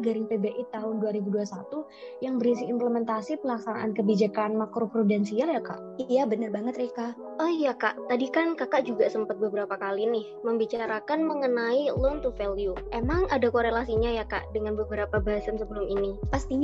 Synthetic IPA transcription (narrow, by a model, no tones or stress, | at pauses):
ɡaɾɪŋpebeʔit̪aɦʊnduaɾibuduasat̪u | jaŋbəɾisiːmpləmɛnt̪asipəlaksana̰ʔankəbid͡ʒakanmakɾopɾudɛnsialjaka̰ʔijabənərbaŋət̪ɾeka | ɔhjakaʔt̪adikankakaʔd͡ʒuɡasəmpat̪̚bəbəɾapakalinɪhməmbit͡ʃaɾakanməŋənailɔnt̪ufeliuʔemaŋadakoɾelasiɲajaka̰ʔdəŋanbəbəɾapabaɦasəmsəbəlʊminipast̪iɲ